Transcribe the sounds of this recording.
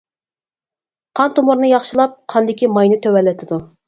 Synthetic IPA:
qʰɑnt̪ʰomuɾnɨjɑχʃɨlˠɑp̚qʰɑnd̪ɪkʲimɑjnɨt̪ʰøwɛlːɪt̪ʰɪd̪u

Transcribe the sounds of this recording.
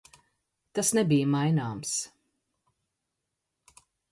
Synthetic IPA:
t̪asnɛbijmajnaːms

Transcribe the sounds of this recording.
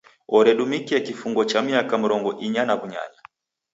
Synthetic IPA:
ɔɾɛɗumikiɛkifuŋɡɔt͡ʃamiakam̩ɾɔŋɡɔʔiɲanaβuɲa̰ɲa

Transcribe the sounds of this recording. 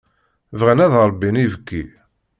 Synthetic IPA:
vʁænæðɾˤbːinivəkːi

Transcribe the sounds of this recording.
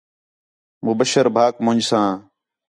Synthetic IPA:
mʊbəʃəɾbʱaːkmʊ̃ɲd͡ʒsãː

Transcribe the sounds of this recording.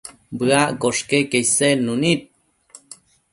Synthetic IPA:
bɨakoʂkekejsenunit̪̚

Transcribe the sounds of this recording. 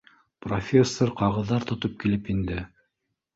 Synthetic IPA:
profʲesːoɾqɑʁɤ̆ðːɑɾt̪ŏt̪op̚kilɘpind̪ɘ

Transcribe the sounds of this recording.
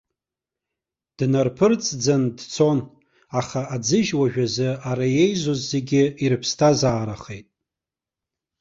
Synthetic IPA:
d̥narpʰɨrt͡sʼd͡zandt͡sʰo̞n | aχaad͡zɨʒwaʒᶣazɨaɾaje̞jzozːe̞ɡʲɪirɨpʰstʰazaːɾaχejtʼ

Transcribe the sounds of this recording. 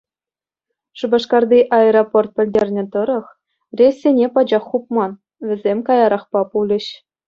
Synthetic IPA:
ʂubɑʂkɑrd̪ʲiʔɑeɾoport̪̚pʲɘ̆lʲdʲerʲnʲɘ̆t̪ɤ̆ɾɤ̆χ | rʲesʲːenʲepɑd͡ʑɑχːup̚mɑn | ʋʲɘ̆zʲemʲkɑjɑɾɑχpɑpulʲɘ̆ɕ

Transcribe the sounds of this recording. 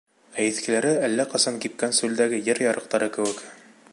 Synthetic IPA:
æjɘ̆θkɘ̆læɾɘælːæqɑsɑŋkip̚kænsʉld̪æɡɘjɘɾjɑɾʔɤ̆q̚t̪ɑɾɤkɘ̆wɘ̆k

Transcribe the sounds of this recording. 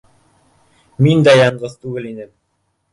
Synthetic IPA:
mind̪æjɑɴɢɤðt̪ʉɡɘlinɘm

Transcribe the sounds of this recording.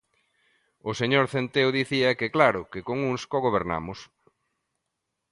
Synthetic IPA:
ʊseɲoɾθent̪ewðiθiɐkeklaɾʊkɪkoŋuŋskoɣoβeɾna̰mʊs

